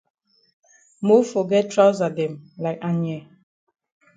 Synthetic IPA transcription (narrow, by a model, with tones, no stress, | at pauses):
mo˦fo˨ɡɛ˦tʰɹa˦ʊza˨dɛ̃˨mla˨ɪka˨njɛ˨